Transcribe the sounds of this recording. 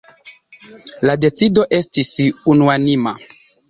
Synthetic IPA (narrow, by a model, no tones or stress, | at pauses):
lade̞t͡sido̞ʔe̞stisunuanima̰